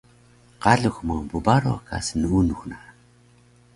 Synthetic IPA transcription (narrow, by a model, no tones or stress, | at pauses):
qaɮuxməŋbubaɾoka̰sənunuxna